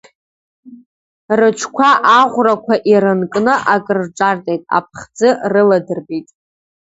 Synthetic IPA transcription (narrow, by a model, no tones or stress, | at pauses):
rɨt͡ʃʷʰkʷʰaʔaʁʷrakʷʰaʔiɾɨnkʼnɨʔakʼɨrʈ͡ʂʼartʼejtʼa̰pʰχd͡zɨrɨladɨrbitʼ